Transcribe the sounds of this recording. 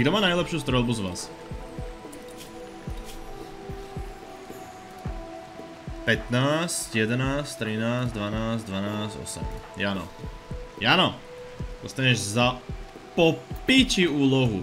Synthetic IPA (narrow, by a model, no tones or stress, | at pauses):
ɡd̪ɔmaːnajlɛpʃuːst̪ɾɛlˠbuzʋaːs | pɛt̪naːscjɛd̪ɛnaːst̪ɾinaːzd̪ʋanaːzd̪ʋanaːzɟɔ̰sɛ̰mjanɔ̰ | janɔ | d̪ɔst̪aɲɛʒza | pɔpiciuːlɔɦu